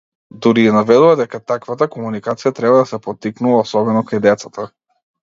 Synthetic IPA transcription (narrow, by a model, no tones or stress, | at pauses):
d̪uɾiɛnavɛd̪uvad̪ɛkat̪akvat̪akɔmunikat̪sijat̪ɾɛbad̪asɛpɔt̪ːiknuvˠaɔsɔbɛnɔkajd̪ɛt̪sat̪a